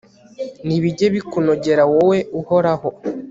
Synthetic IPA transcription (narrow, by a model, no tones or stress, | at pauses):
niβiɟe̞βikunoɟe̞ɾawowe̞uho̞ɾaho